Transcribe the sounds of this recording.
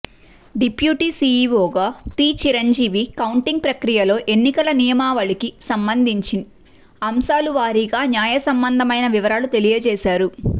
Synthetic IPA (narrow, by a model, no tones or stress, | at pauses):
ɖipjuːʈiːsiːʋoːɡaːʈiːt͡ʃiɾɐɲd͡ʒiːʋikɐwɳʈiŋɡ̚pɾɐkɾijɐlo̞ːʔe̞nːikɐlɐnijɐmaːʋɐɭikisɐmbɐnd̪ʱiɲt͡ʃin | ɐmsaːluʋaːɾiɡaːnjaːjɐsɐmbɐnd̪ʱɐmɐjnɐʋiʋɐɾaːlut̪e̞lijɐt͡ʃɛːʃaːɾu